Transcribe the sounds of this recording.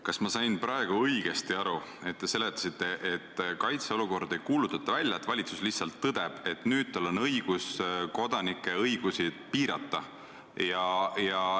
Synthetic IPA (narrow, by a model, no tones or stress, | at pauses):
kɑsmɑsɑjnpɾɑe̞ɡ̥uɤjɡ̥e̞st̪iɑɾue̞t̪̚t̪ːe̞se̞le̞t̪ˑːɑ̥sit̪ˑːe̞ʔet̪ːkɑjt̪seo̞luko̞rd̪e̞jkuːlut̪ːˑɑ̥t̪ːˑɑvælʲjɑet̪ːvɑlʲit̪su̥slihsɑlt̪ːɤd̪̥e̞b̥e̞t̪ˑnyːd̪̥̚t̪ɑlːo̞nɤjɡ̥usko̞d̪̥ɑnikːˑe̞ɤjɡ̥usid̪̥piːɾɑt̪ːˑɑ | jɑjɑ